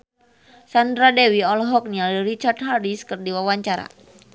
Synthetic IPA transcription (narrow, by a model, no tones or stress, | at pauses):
sandɾadɛwiɔlɔɦɔk̚nialɾit͡ʃart̪̚ɦaɾiskɨrdiwawaɲt͡ʃaɾa̰